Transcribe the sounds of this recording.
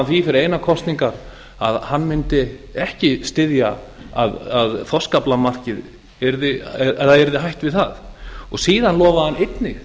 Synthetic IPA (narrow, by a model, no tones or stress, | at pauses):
nθvifɪɾɪɾejnakʰɔst̪niŋkaɾ | aðhanːmɪnt̪ɪ | ɛhcɪst̪ɪðja | aðaðθɔskaplamar̥cɪð | ɛɾðɪaðɛɾðɪɦajht̪vɪðθaðɔɣsiːðanlɔːvahanejt̪nɪx